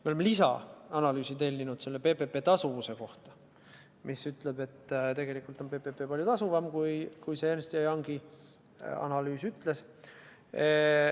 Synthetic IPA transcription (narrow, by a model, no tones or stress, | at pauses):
meolemelisɑ̰ɑnɑlyːsit̪e̞lʲːinud̪̥se̞lːe̞pe̞ːpe̞pˑe̞ːt̪ɑsuvuse̞ko̞ht̪ɑ̥ | mʔisyt̪le̞b̥e̞t̪ːˑt̪e̞ɡ̥e̞likˑult̪ˑonpe̞ːpe̞pepɑlʲjut̪ɑsuvɑmkujkujseeːnst̪ijɑjɑŋɡi | ɑ̰nɑlyːsyt̪le̞s